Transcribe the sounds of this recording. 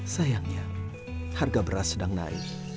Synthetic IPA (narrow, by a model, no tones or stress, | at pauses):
sajaŋɲa | tʰaɾɡabɾasdaŋna̰j